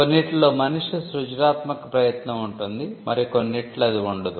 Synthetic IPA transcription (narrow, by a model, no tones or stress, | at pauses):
konːiʈːɐlo̞ːmɐnuʂusɾud͡ʒɾaːt̪mɐkɐpɾɐjɐt̪nɐmuɳʈund̪imɐɾikonːiʈlɐɐd̪iuɳɖɐd̪u